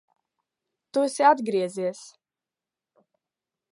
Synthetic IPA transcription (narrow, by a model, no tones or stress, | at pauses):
t̪uɛsʲiad̪ɡɾiɛziɛs